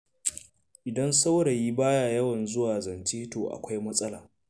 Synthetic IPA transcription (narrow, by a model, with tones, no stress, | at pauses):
ʔɪ˨dɐ˦nsa˦wɽa˨ji˦baː˦ja˨jɐ˦wɐ˨nzʊ˦waː˨zɐ˨nt͡ʃeː˦toː˨ʔa̰˨kʷa˦jmɐ˦sʼɐ˦laː˨